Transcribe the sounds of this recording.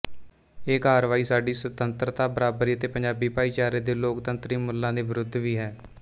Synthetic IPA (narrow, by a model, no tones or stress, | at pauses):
eːkaːɾʋaːiːsaːɖiːsət̪ənt̪ɾt̪aːbəɾaːbəɾiːət̪eːpəɲd͡ʒaːbiːpaːiːt͡ʃaːɾeːd̪eːloːkt̪ənt̪ɾiːmʊlːãːd̪eːʋɪɾʊd̪ʱːʋiːɦɛː